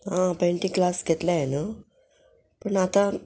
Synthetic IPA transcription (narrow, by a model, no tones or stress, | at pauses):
ɦãpẽɳʈĩklasɡʱet̪lajena | pəɳat̪ã